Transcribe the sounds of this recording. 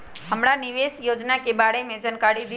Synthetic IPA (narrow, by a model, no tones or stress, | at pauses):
ɦəmɽanɪʋeːsjoːd͡ʒnakeɓaːɽemẽd͡ʒənkaɽid̪i